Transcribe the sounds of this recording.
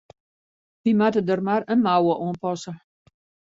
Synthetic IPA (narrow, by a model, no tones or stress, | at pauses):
ʋimatədərmarənmawəʔoənpɔsə